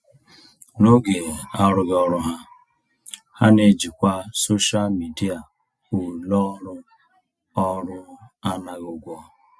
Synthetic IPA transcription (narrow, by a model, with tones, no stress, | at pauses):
no˦ɡe˨a˦ɾʊ˦ɡɔ˦ɾʊ˦ɦa˦ | ha˦ne˨d͡ʒi˨kʷa˦so˦ʃa˦lmi˨di˦a˨ | u˨lɔ˦ɾʊ˦ | ɔ˦ɾʊ˦a˦na˨ɣu˨ɡʷɔ˦